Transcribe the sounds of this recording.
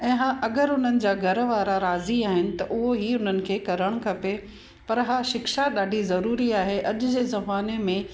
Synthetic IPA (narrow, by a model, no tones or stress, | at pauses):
ɛ̃ːɦaːʔɐɡəɾʊn̤ənɪ̆d͡ʑaːɡʱɐɾʋaːɾaɾaːziaːɦɪnɪ̆t̪ɐʔʊɦoɦiʊn̤ənɪ̆kʰeːkɐɾəɽ̃kʰɐpe | pɐɾɦaːʃɪkʃaɗaːɖʱizɐɾuːɾiaːɦeʔɐʄʊd͡ʑeːzɐmaːnemẽ